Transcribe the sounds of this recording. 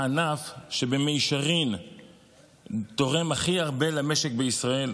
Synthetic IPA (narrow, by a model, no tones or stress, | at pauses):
anafʃe̞be̞meiʃaʁin | t̪o̞ʁe̞maχiaʁbe̞lame̞ʃek̚beisʁae̞l